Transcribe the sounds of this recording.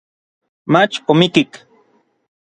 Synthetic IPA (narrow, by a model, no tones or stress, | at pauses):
mat͡ʃomikik